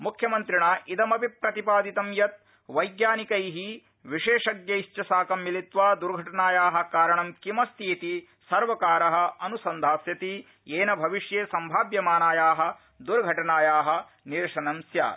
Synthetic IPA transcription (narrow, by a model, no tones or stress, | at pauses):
mukʰjɐmɐnt̪ɾiɳaːʔid̪ɐmɐpipɾɐt̪ipaːd̪it̪ɐmjɐt̪̚ | ʋɐjɡjaːnikɐjɦi | ʋiʂeːʂɐɡjɐit͡ʃɐsaːkɐmːilit̪ʋaːd̪uɾɡʱɐʈɐɳaːjaːɦɐ̆kaːɾɐɳɐmkimɐst̪iːt̪i | sɐɾʋɐkaːɾɐɦɐ̆ɐnusɐnd̪ʱaːsjɐt̪i | eːnɐbʱɐʋiʂjeːsɐmbʱaːbjɐmaːnaːjaːɦɐ̆ | d̪uɾɡʱɐʈɐnaːjaːɦɐ̆ | niɾʂɐnɐmsja̰ː